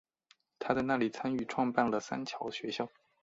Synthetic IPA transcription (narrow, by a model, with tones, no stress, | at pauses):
t̪ʰa˥t͡sa˥˧na˥˩li˨˩t͡sʰa˥ny˥˩ʈ͡ʂʰwɑ˥˧ŋpa˥˩nlə˩sa̰˥nt͡ɕʰjɑ˧˥ʊɕɥɛ˧˥ɕjɑ˥˩ʊ